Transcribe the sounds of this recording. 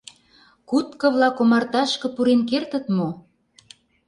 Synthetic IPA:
kut̪kɤ̆βlɑkomɑrt̪ɑʃkɤ̆puɾenkert̪ə̆t̪mo

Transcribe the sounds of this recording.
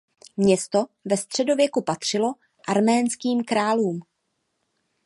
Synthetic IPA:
mɲɛst̪o̞vɛst̪r̝̥ɛdo̞vjɛkupat̪r̝̥ɪlo̞ | ʔaɾmɛːnskiːmkɾaːluːm

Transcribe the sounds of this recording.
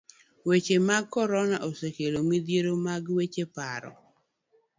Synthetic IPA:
wet͡ʃemaɡ̚kɔɾɔnaʔosekelomid̪jeɾomaɡwet͡ʃepaɾɔ̰

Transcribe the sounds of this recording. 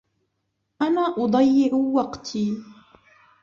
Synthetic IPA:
ʔanaːʔʊd̪ˤɑjːɪʕʊwɑqt̪ʰiː

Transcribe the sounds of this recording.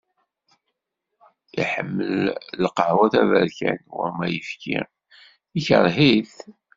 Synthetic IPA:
ḭħəmːəllqəʕwæθævəɾçænwə̰ɾmæjəfki | içəɾˤɦiθ

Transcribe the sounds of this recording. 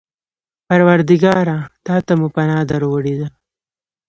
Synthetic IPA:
paɾwaɾd̪ɪɡɑɾat̪ɑːt̪amupanɑd̪aɾwəɽid̪a

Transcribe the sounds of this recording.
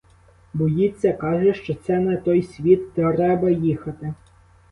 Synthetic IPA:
bɔjit͡sʲːɐkɑʒɛʃt͡ʃɔt̪sɛnɛt̪ɔjsʲʋʲit̪ːɾɛbɐjixɐt̪ɪ

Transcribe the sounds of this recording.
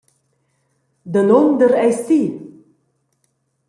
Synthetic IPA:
d̪ənomd̪əɾɛjsi

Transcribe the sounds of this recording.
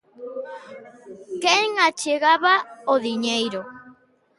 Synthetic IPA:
keŋat͡ʃeɣaβaoðiɲejɾo

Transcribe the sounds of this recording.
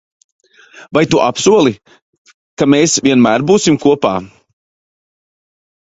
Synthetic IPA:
vajt̪uʔapsuɔlˠi | kameːsvʲiɛnmæːɾbuːsimkuɔpa̰ː

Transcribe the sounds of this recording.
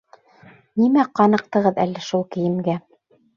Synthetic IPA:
nimæqɑnɤ̆q̚t̪ɤ̆ʁɤðælːæʃulˠkɘ̆jɘ̆mɡæ

